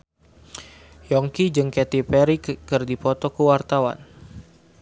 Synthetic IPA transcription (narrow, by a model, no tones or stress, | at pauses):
jɔŋkid͡ʒɨŋkɛt̪ipɛɾikɨrdipɔt̪ɔkəwart̪awa̰n